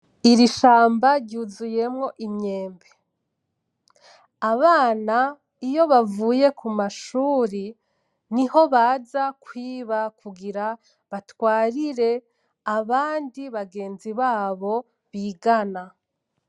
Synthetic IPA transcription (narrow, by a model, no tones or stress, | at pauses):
iɾiʃaːmbaɾɟuːzuje̞mŋo̞ʔimɲe̞ːmbe | aβaːna | ijo̞βavuːje̞kʰumaʃuːɾi | niho̞βaːzakwiːβakʰuɡiɾa | βatwaːɾiɾe̞ | aβaːndiβaɡe̞ːnziβaːβo̞ | βiːɡana